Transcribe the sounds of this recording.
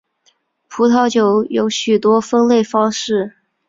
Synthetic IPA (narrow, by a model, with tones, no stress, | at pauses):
pʰu˧˥t̪ʰɑ˧˥ʊt͡ɕjo˨˧˩ʊjo˧˥ʊɕy˨˩t̪wɔ˥fə˥nle˥˩ɪfɑ˥ŋʂɻ̩˥˩